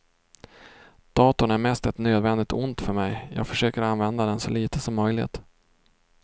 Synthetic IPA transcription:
d̪̥ɑːt̪ʊɳæɾmɛst̪ɛt̪nøːd̪vɛnd̪ɪɡ̚t̪ʰʊnt̪fœɾmɛjjɑ̰ːɡfœʂøːkəɾanvɛnd̪ad̪ɛnsɔliːt̪əsɔmːœjlɪ̰t̪

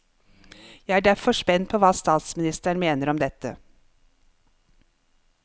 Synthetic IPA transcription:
jæɪæːɖæfɔʂpɛnt̪̚pʰoːʋɑːst̪ɑːt̪smɪnɪst̪əɳ̩meːnəɾɔmd̪ɛt̪ə̰

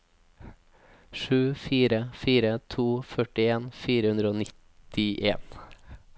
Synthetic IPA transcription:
ʃʉːfiːɾəfiːɾət̪ʰuːfœʈɪeːnfiːɾəhʉnd̪ɾəoːnɪt̪ɪʔeːn

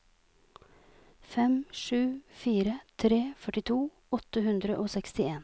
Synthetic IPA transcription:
fɛmʂʉːfiːɾət̪ʰɾeːfœʈɪt̪ʰuː | ɔt̪əɦʉnd̪ɾəʔoːsɛkst̪ɪeːn

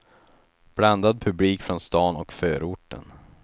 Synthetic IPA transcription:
b̥land̪ad̪̚pʰɵbliːkfɾɔnst̪ɑːnɔkføːɾʊʈːə̰n

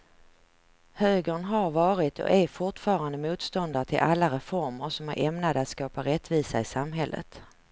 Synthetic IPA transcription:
høːɡəɳɦaɾvɑːɾɪt̪ʰɔ̰ʔæɾfʊʈfɑːɾand̪əmuːt̪st̪ɔnd̪aɾʈ̪ʰɪlʔalːaɾɛfɔɾməɾʂɔmæ̰ɾʔɛmnad̪əat̪skɑːpaɾɛt̪ːviːsaɪsamɦɛlːə̰t̪

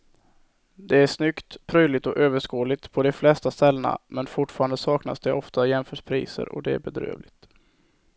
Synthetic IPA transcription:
d̪ɛæʂnʏkt̪pʰɾœjlɪt̪ɔʔøːvəʂkoːlɪt̪pʰɔd̪ɔflɛst̪ast̪ɛlːəna̰mɛnfʊʈfɑːɾand̪əsɑːkna̰sd̪ɛʔɔft̪ajɛmfœːʂpʰɾḭːsə̰ɾɔ̰d̪ɛæ̰ɾbɛd̪ɾø̰ːvlɪt̪

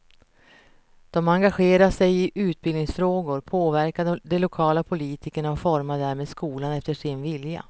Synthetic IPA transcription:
d̪̥ɔmaŋɡaɧeːɾasʂɛjɪʔʉ̟ːt̪̚bɪlnɪŋsfɾoːɡʊɾpʰoːvæɾkad̪d̪ɛlʊkʰɑːlapʰʊliːt̪ʰɪkəɳaɔfɔɾmad̪æːɾmeːd̪skuːlanɛft̪əʂɪnvɪlja̰

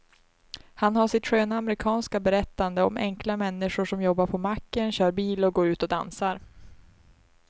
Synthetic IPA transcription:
hanhaʂɪt̪ɧøːnaamɾɪkʰɑːnskabɛɾɛt̪ːand̪əɔ̰mɛ̰ŋklamɛnːɪʂʊʂɔmjɔbːaɾpʰɔmakːənɕœːɾbiːlɔɡoːɾʉ̟ːt̪ɔd̪ansaɾ

